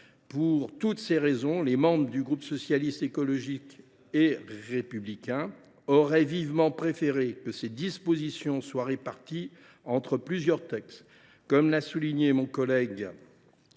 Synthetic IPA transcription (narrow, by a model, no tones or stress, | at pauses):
puʁt̪ut̪seʁezɔ̃lemɑ̃bʁəd̪yɡʁupsɔsjalist̪ekɔlɔʒik | eʁepyblikʲɛ̃ | ɔʁɛvivmɑ̃pχefeʁekəsed̪ispozisjɔ̃swaʁepaʁt̪i | ɑ̃t̪χəplyzjœʁt̪ɛks | kɔmlasuliɲemɔ̃kɔlɛɡ